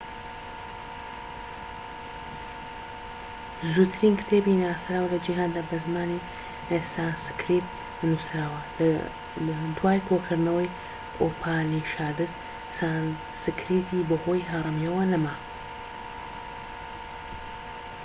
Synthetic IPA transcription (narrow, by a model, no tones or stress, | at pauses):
zut̪ʰɾiːnkɨ̥t̪ʰeːbinaːsɾaːwlɐd͡ʒiɦaːnd̪abɐzmaːni | esaːnsɨ̥kʰɾit̪̚ | nusɾaːwɐl | d̪waːjkʰokʰɨɾnɐwɐj | opʰaːniʃaːd̪ɨst̪ | san | sɨkʰɾit̪ʰibɐhojɦɐrˤɨmjɐwɐnɐma